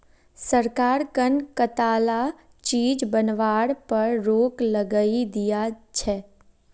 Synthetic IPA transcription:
səɾkaːɾkənkət̪aːla | t͡ʃiːd͡ʒbənʋaːɽpɐɾɾoːkləɡəid̪ijat͡ʃʰɛː

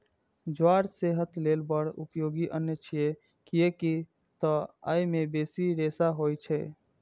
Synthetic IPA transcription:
d͡ʒwaɾseɦət̪lelbəɽṵpjoɡiʔənːjət͡ʃʰije | kijeki | t̪ɔa̰jmebesiɾesaɦojt͡ʃʰɛ

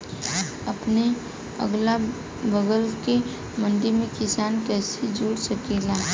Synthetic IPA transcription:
ɐpne | ə̰ɡla | bəɡəlke | mɐ̃nɖ̪ɪɾmẽkɪsaːnkɛːsed͡ʒuːɽsɐkeːlaː

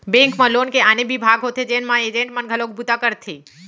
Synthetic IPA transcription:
bẽŋkmãlonkeanebibʱaɡɦot̪ʰed͡ʒenmãed͡ʒẽɳʈmənɡʱəlok̚but̪akəɾt̪ʰi

